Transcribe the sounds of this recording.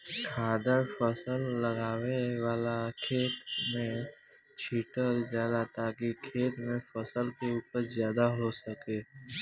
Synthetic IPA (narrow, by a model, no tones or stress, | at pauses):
kʰaːd̪əɾfəsəlːɐɡaːwewaːlakʰeːt̪mẽ | t͡ʃʰiːʈəld͡ʒaːd̪at̪aːkikʰeːt̪mẽfəsəlkeuːpəɾzjaːd̪aɦosəkeː